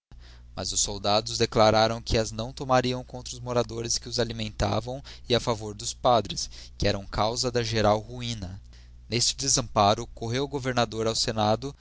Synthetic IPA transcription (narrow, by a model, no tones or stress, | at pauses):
mɐ̰zʊsːowd̪ad̪ʊzd̪eklaɾaɾɐ̃w̃kʰɪɐznɐ̃w̃t̪omaɾiɐ̃w̃kõnt̪ɾɐʊzmoɾad̪oɾɪskɪʊzalimẽnt̪a̰vɐ̃w̃ɪafavoɾd̪ʊspad̪ɾɪskɪɛɾɐ̃w̃kawzɐd̪ɐʒeɾawhuĩnɐ | nest͡ʃɪ̥d̪ezɐ̃mpaɾʊkoɦewɡoveɾnad̪oɾawsenad̪ʊ